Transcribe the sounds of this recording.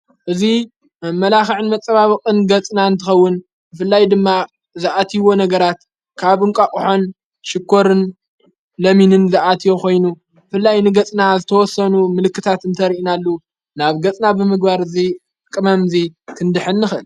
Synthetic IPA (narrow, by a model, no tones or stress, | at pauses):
ʔɨzi | mɐlaxɨʕɨnmɐt͡sʼːɐβaβɐkʼɨnɡɐt͡sʼnaɨnt̪ʰɨxɐwːʊn | bɨfɨlːajd̪ɨmːa | zɨʔat̪ʰiwo̞nɐɡɐɾat̪ | kʰaβɨŋkʼakʼuħo̞n | ʃɪkʰːo̞ɾɨn | lɐminɨnzɨʔat̪ʰijo̞kʰo̞jnu | bɨfɨlːajnɨɡɐt͡sʼnazɨt̪ʰɐwɔsɐnumɨlɨkːɨt̪ʰat̪ɨnt̪ʰɐɾiʔinalːu | naβɡɐt͡sʼnabɨmɨɡ̚baɾɨzi | kʼːɨmɐmzikʰɨnd̪ɨħɨnːɨxɨl